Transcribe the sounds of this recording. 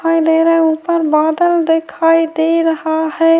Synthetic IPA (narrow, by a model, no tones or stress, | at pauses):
ajd̪eɾəupəɾbad̪əld̪ekʰajd̪eɾəɦahɛ